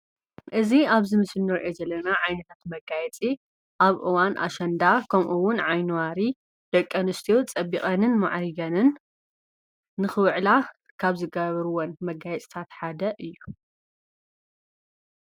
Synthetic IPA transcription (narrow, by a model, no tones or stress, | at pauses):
ʔɨziaβzɨmɨsɨnːɐɾʔezɐlːɐnaʕajnɐt̪ʰat̪mɐɡajɛt͡sʼi | ʔaβʔɨwanʔa̰ʃɐnd̪akʰɐmʔuwʊnʕajnuwaɾi | d̪̥ɐkʼːɐnɨst̪ʰijot͡sʼɐbiχʼɐnɨnma̰ʕɾiɡɐnɨn | ɨxɨwɨʕla | kʰaβzɨɡɐβɐɾuwonmɐɡajɛt͡sʼt̪ʰat̪ħad̪ɐʔɨjːu